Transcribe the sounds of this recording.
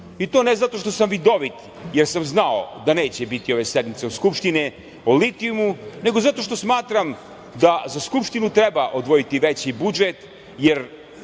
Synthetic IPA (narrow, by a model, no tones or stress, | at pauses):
it̪o̞ːnezat̪o̞ʃt̪o̞samʋid̪o̞ʋit̪ | jeɾsamznao̰d̪aneːt͡ɕebit̪io̞ʋe̞sed̪mit̪seod̪skupʃt̪ine | olit̪iumune̞ɡo̞zat̪o̞ʃt̪o̞smaːt̪ɾam | d̪azaskupʂt̪inut̪ɾebaʔod̪ʋo̞jit̪iʋet͡ɕibud͡ʒet̪ | jeɾ